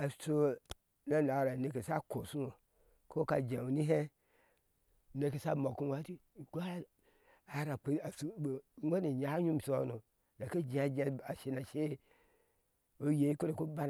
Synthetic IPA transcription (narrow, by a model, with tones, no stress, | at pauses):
a˨˦so˦ | na˦n˨a˨ɾa˨ne˨ke˨sa˦ko˨su˦o˨ | ko˦ka˨d͡ʒe˨wu˨ni˦ɦe˦˨ | ne˨ke˨sa˦mo˨ku˦wʷa˨˦ti˦˨ɡa˦ | a˨˦ɾa˨k͡pe˨a˨su˨˦wʷe˦ne˨ɲa˨˦ɲu˦m˨so˦nu˨ | da˨ke˦d͡ʒĩ˨a˨d͡ʒa˨a˨ʃi˨na˨ʃe˦ | o˦je˨˦ko˦ɾe˨ko˦ba˦n˨